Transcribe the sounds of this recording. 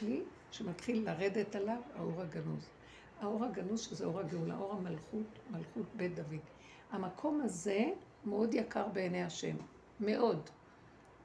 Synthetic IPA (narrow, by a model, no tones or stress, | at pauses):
li | ʃemat̪χilːaʁe̞detalava̰o̞ʁaɡanuz | ao̞ʁhaɡanuzʃezeʔo̞ʁhaɡeula̰ʔo̞ʁamalχutmalχutbedavid | amakʰo̞maze̞ | meo̞djakʰaʁbe̞ːnejaʃe̞̰mː | e̞ʔo̞d